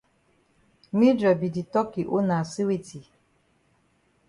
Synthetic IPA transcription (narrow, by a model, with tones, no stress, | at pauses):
mi˦dɾɔ˨bi˨di˨tɔ˦ki˨ʔo˦na˨si˦we˦ti˨